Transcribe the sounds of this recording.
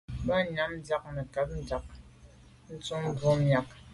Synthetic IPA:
ba˦˨na˦m̩˦d͡za˦k̚nə˨ka˨p̚n̩˦d͡ʒa˨k̚ | n̩˦t͡su˦m̩˦bo˦mja˨k̚

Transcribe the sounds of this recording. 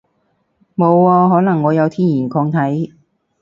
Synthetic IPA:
mo˨˧wːɔː˧ɦɔː˨˥nɐ˨˩ŋːɔː˨˧jɐ˨˧wt̪ʰiː˥njiː˨˩nkʰɔː˧ŋt̪ʰɐ˨˥j

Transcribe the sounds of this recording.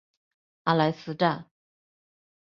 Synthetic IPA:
ʔa˨˩la˧ɪs̩˥˧ʈ͡ʂa˥˩

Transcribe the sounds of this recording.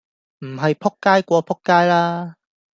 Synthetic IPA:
m̩˨˩ɦa˨˩jpʰɔ˦˥kkːa˦˥jkwɔ˨˧˦pʰɔ˥kːa˥jlaː˦˥

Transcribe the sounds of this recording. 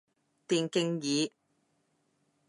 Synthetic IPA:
t̪iː˨nkɪ˥ŋjiː˨˧˦

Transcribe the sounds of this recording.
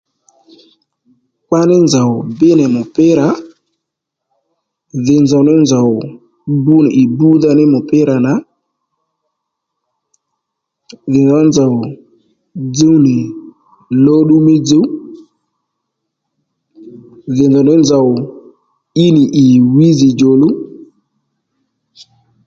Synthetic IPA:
k͡pa˦nɪ˦nza˨wbɪ˦nɛ˨mʊ˨pɪ˦ɾa˨˦ | ðɪ˨nzɔ˨wnɪ˦nza˨w | bu˦nɪ˨ʔi˨bu˦ða˦nɪ˦mʊ˨pɪ˦ɾa˨na˨˦ | ði˨nzɔ˨˦nza˨w | d͡zu˦ni˨ | lo˦ɗu˦mi˦d͡zu˦ | ði˨nzɔ˨ni˦nza˨w | i˦ni˨ʔi˨wi˦zi˨d͡ʒo˨lu˦

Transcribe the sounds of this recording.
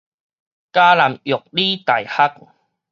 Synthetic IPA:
kaː˦la˨˦mjʊ˨˩k̚li˦t̪a˨˩jha˦k̚

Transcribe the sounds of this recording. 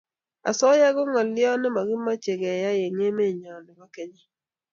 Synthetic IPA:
a̰˨sɔ˦ja˦ɡɔ˦ŋɔ˨lɪ˦ɔ˦nɛ˦ma˨ɡɪ˦ma˦t͡ʃe˨ɡɛ˨ja˦je˨ŋe˦me˦˨ɲɔ˨nɪ˨ma˦ke˦ɲe˦

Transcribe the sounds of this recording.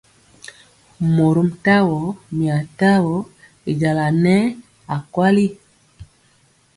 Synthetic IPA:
mo˨ɾu˦mta˦wɔ˨˦mi˨a˨ta˦wɔ˨˦ | i˨d͡ʒa˨la˨nɛ˦ | a˨kwa˦li˦

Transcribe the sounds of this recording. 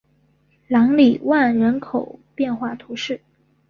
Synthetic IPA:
lɑ˧˥ŋli˨˩wa˥˩nɻə˧˥nkʰo˨˩ʊpjɛ˥˧nxwa˥˩t̪ʰu˧˥ʂɻ̩˥˩

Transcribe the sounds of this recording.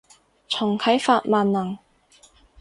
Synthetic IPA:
t͡sʰʊ˨˩ŋkʰɐ˨˥jfaː˧t̚maː˧nnɐ˨˩ŋ

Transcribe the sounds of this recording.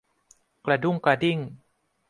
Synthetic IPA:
kla˧du˥˩˨ŋkɾa˧di˥˩ŋ

